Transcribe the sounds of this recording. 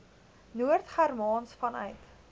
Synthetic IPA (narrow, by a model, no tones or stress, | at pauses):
nuərtχærmɑːnsfɐnœ̰ɥt